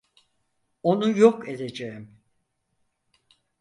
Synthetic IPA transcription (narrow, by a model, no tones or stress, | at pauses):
o̞nujoked̪e̞d͡ʒeim